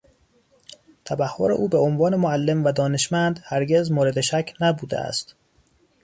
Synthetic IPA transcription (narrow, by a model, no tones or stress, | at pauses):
t̪ʰæbæhːo̞ɾe̞̰ʔuːbeonvɒːne̞moælːe̞mvæd̪ɒːne̞ʃmænd̪hæɾɟe̞zmoːɾe̞d̪eʃæcʰnæbuːd̪ḛʔæ̰st̪